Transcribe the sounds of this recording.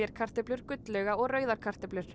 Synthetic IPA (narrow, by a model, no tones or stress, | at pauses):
ɛɾkʰar̥t̪ɛplʏɾ̥kʏt̪lɛɣaɔɣrœːɥðaɾ̥kʰar̥t̪ɛplʏɾ̥